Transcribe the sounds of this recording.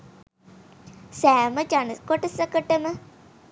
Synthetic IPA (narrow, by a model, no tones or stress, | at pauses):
sæːməd͡ʒanəskoʈəsəkəʈəmə